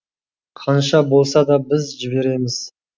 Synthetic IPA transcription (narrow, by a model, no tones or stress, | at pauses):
qʰɑnʃɑbo̞lˠsɑd̪ɑbɪzʒɪbe̞ɾe̞mɪz̥